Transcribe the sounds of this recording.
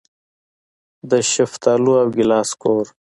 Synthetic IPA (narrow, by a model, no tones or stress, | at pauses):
d̪əɕift̪aːluawɡilaːskʰoːɾ